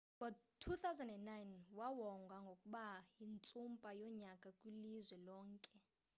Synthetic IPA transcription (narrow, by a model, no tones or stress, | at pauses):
ŋɡʱɔtʰuθawzɛndɛnːajnwawɔŋɡʱwaŋɡʱokʼuɓajint͡sʼumpʼajɔɲakʼakʼwilizwɛlɔːŋkʼɛ